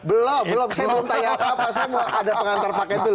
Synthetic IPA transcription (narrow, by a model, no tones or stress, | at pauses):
bəlɔbəlomsajabəlɔmt̪ajaapapasajamadapəŋant̪arpakɛt̪ul